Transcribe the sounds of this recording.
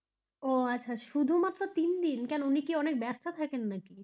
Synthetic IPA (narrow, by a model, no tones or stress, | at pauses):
oatːɕʰaʃud̪ʱumat̪ːɾot̪ind̪inkɛnounikiɔnek̚bɛɾst̪at̪ʰakenːaki